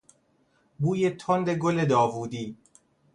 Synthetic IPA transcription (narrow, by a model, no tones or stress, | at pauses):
buːjet̪ʰond̪e̞ɡoled̪ɒːvuːd̪iː